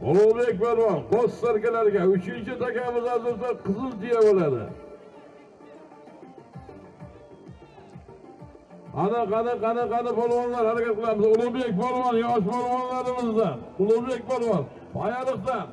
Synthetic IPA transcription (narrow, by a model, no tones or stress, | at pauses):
ʊlˠobek̚ʲbaɾvɒɾqossaɾkʲalaɾɡʲaʊt͡ʃʰɪnt͡ʃɪt̪ʰakʲamɪzazɪɾt̪aqʰɨzɪlˠt̪ɪjabolad̪ɪ̰ | anɪqɑnɪqanɪqɑnɪpɒlˠwɑnlaɾhaɾakʲat̪̚qʰɨlˠamɪzʊlˠʊbek̚ʲbɒɾvɑnjɒʃ̬bɒɾvɑnlaɾɪmɪzd̪aʊlˠʊbek̚ʲbaɾvɒn | pʰajɑɾɨqt̪a